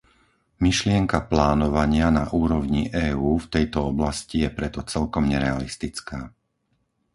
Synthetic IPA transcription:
miʃlɪɛŋkaplaːnɔʋaɲɪanaʔuːɾɔʋɲiʔɛːuːft̪ɛjt̪ɔɔblascijɛpɾɛt̪ɔt͡sɛlkɔmɲɛɾɛalist̪it͡skaː

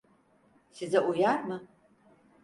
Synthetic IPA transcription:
sizɐʔujarmɨ

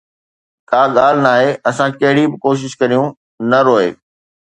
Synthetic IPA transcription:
kaːɠaːl̤naːɦeʔɐsãkɐɦɪɽibɪkoːʃ̬ɪʃkɐɾijũ | nɐɾoːḛː

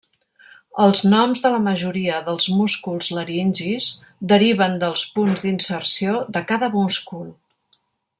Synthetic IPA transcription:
əlˠznɔmzðələməʒuɾiəðəlˠzmuskulˠzləɾinʲʒiz | d̪əɾiβ̞ənd̪əlˠspunzd̪insərsioðəkaðəβumskul

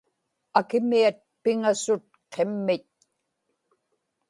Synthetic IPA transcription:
akɪmiat̪̚pɪŋasʊt̪̚qʰemːɪt̪̚

